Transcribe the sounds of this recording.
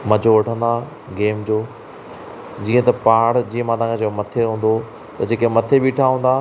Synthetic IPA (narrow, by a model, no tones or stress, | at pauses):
mɐd͡ʑʱoʋɐʈʰə̃nd̪a | ɡeːmd͡ʑoː | d͡ʑiːə̃t̪ɐpaːɽd͡ʑiːə̃mãt̪aãkʰed͡ʑmɐt̪ʰeɦũːnd̪o | t̪ɐd͡ʑeːkẽmɐt̪ʰebʱiʈʰaːũːn̆d̪aː